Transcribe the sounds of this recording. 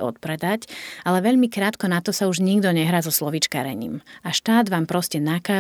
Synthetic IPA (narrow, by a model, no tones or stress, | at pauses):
ɔ̰t̪̚pɾɛd̪acalɛʋɛʎmikɾaːt̪kɔnat̪ɔsauʒɲiɡd̪ɔɲɛɦɾaːzɔslɔʋit͡ʃka̰ːɾɛ̰ɲḭːmaʃt̪aːd̪ʋaːmpɾɔscɛnakaː